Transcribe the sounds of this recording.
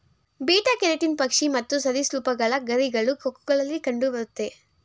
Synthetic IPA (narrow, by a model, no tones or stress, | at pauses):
biːʈɐkeɾeʈinpɐkʂimɐt̪ːusɐd̪isluːpɐɡɐɭɐɡɐɾiɡɐɭukokːuɡɐɭɐlːikɐɳɖubɐɾut̪ːe̞